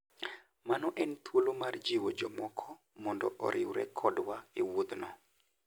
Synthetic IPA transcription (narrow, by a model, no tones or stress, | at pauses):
manɔʔɛnt̪wolomard͡ʒiwod͡ʒɔmɔkʰɔ | mɔndɔ̰ʔɔ̰ɾʔɪwɾɛ̰kʰɔdwaiwud̪nɔ